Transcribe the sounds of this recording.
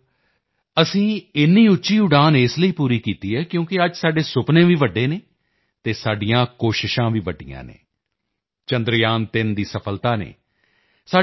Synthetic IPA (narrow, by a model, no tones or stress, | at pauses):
əsĩːɪnːiːʊtːʃiːʊɖaːnɪsləiːpuːɾiːkiːt̪iːɦɛːkjõːkɪəd͡ʒsaːɖeːsʊpnẽːʋiːʋəɖːeːneː | t̪eːsaːɖijãːkoːʃɪʃãːʋiːʋəɖijã̰ːnḛː | t͡ʃənd̪ɾjaːnt̪ɪnd̪iːsəpʰəlt̪aːnḛː | saː